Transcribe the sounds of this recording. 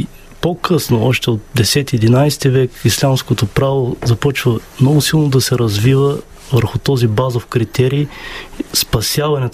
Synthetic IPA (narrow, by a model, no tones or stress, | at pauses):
pokʰɤsnoɔʃt̪ɛot̪̚d̪ɛsɛt̪iɛd̪inajst̪ivɛkislʲamskot̪opɾavozɐpɔt͡ʃvəmnɔɡʊsilˠnod̪ɐsɛɾɐzvivə | vəɾxʊt̪ɔzibazofkɾit̪ɛɾiː | spɐsjavɐnɛt̪